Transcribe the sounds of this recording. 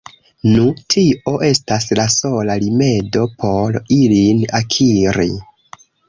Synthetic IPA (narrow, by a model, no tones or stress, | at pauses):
nutʰio̞ʔe̞staslaso̞lalime̞do̞pʰo̞ɾilinakʰiɾḭ